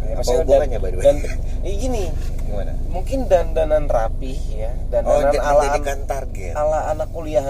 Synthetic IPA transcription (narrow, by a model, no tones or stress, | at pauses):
jaaspaduaɾaɲabadubada | iɡini | ana̰muŋkɪndandananrapɪhja | danananalaaankant̪arɡɛ̰alaːnakːoliaɦ